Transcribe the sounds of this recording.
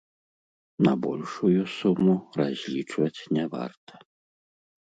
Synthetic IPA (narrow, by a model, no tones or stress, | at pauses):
nɐ̰bɔlʲʂujusumurazʲlʲit͡ʂvɐt͡sʲnʲɛva̰rt̪ɐ̥